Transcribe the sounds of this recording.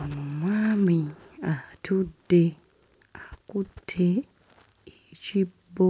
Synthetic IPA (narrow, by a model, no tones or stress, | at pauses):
onumwaːmiatʰudːe | akutʰe | ecibo